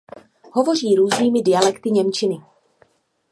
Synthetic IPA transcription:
ɦovo̞r̝iːɾuːzniːmɪdɪjalɛkt̪ɪɲɛmt͡ʃɪnɪ

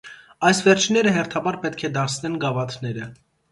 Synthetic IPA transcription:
ɑjsvɛɾt͡ʃʰnːɛɾəɦɛrt̪ʰɑbɑɾpɛt̪kʰɛd̪ɑt͡sʰnɛnɡɑvɑt̪ʰnɛɾə

